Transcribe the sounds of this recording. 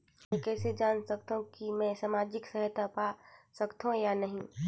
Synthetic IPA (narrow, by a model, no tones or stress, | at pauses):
mɛ̃kɛːsed͡ʒaːnsɐk̚t̪ũkimɛ̃ːsamaːd͡ʒɪksɛɦət̪apasɐkt̪ũjanɐɦĩː